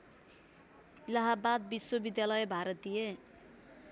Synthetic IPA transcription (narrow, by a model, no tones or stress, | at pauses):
laɦabad̪̚biswobid̪jalʌjbʱaɾʌt̪ije